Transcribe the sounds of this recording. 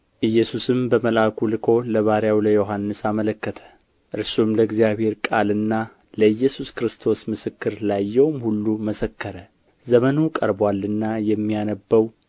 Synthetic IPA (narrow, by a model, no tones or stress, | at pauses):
ʔɨjːɛsusɨmbəməlakʰulɨkʰo̞ləβaɾjawləjo̞ɦanːɨsamələkːət̪ʰə̥ | ʔɨɾsumləɡzijaβhe̞ɾkʼalɨnːa | ləɨjːɛsuskɾɨst̪ʰo̞smɨsɨkːɨɾlajːɛwmhulːuməsəkːəɾə | zəmənukʼə̰ɾbwalːɨnːajɛmːijanəbːəw